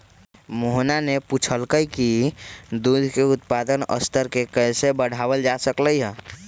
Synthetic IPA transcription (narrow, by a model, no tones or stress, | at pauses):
moɦnaneput͡ʃʰəlkəjkid̪ud̪ʱkeut̪̚pad̪ənə̰st̪ʰəɾkekəjsebəɽ̤abəld͡ʒasəkləjɦə̃